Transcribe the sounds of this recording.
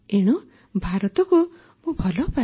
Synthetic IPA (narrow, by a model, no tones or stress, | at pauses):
eɽ̃u | bʱaɾɔt̪ɔku | mũbʱɔlɔpa